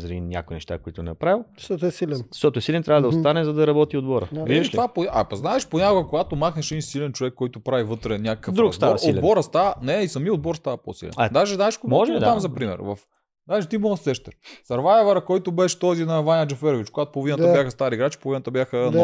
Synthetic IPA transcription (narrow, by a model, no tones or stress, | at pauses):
zɐɾinʲa̰koinɛ̰ʃt̪a̰koit̪ʊnɛpɾavilˠzʃt̪ɔt̪ɛsilɛnz̥ʃt̪ɔt̪oɛsilɛnt̪ɾʲavəd̪ɐost̪anɛzɐd̪ɐɾɐbɔt̪iod̪bɔɾə̰it̪vapoaʔɐ̰pɐznaɛʃponʲakʊɡɐkoɡat̪omaxnɛʃɛd̪insilɛnt͡ʃovɛkːɔjt̪opɾavivɤt̪ɾɛnʲakəkəfd̪ɾukdst̪aɔod̪bɔɾəst̪avɐnɛisɐmiod̪̚bɔɾst̪avɐpo̰sḭlɛ̰nd̪aʒɛznaɛʃkomɔʒɛid̪amzɐpɾimɛ̰ɾvɐf | d̪aʒɛt̪imɔəsɛʃt̪ɛɾsɐɾvajɛvɐɾɐkɔjt̪ʊbɛʃt̪ɔzinɐvanʲɐd͡ʒɛfɛɾovit͡ʃkoɡat̪o̥pod̪inət̪əbjaxəst̪aɾiɡɾat͡ʃi̥povinət̪əbjaxən